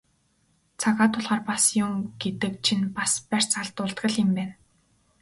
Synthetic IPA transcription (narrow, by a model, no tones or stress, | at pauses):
t͡sʰaɣaːt̪ʰʊɮʁaːrpasjʊmɡ̥et̪ɘ̆k̚t͡ɕʰinpaspær̥ʲt͡saɮt̪ʊːɮt̪ɢə̆ɮɪ̆mpæːn